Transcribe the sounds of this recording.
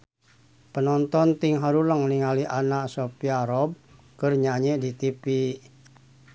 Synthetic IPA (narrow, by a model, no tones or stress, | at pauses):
pənɔnt̪ɔnt̪iŋɦaɾuləŋniŋaliʔanaʔsopiaɾɔb̚ | kɨrɲaɲɛdit̪ipi